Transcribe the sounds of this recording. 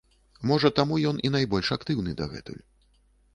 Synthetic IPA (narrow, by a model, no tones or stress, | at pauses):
mɔʐɐt̪amujɔnin̪ajbɔlʲʂakt̪ɨwnɨd̪ɐɣɛ̰t̪ṵju